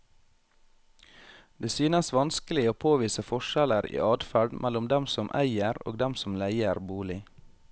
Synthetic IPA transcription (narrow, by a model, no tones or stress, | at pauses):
d̪eːsyːnəsʋɑnskəlɪoːpʰoːʋiːsəfɔʃɛləɾḭːʔɑːd̪fæɖmʔælʊmd̪ɛmsɔmʔæ̰ɪəɾo̰ːɡd̪ɛmsɔmlæɪəɾbuːlɪ